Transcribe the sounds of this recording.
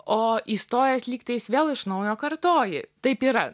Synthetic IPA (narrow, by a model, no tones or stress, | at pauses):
oːiːst̪oːjɛsʲlʲiːkt̪ɐjɪsʋʲeːlˠɪʃnɐʊjoːkɐɾt̪oːjɪt̪ɐɪpiːɾɐ